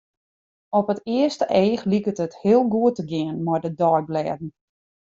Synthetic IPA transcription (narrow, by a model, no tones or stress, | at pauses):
ɔpətɪəstəʔeːxlikətəthɪəlˠɡuətəɡɪənmɔjdədɔjblɛːdn̩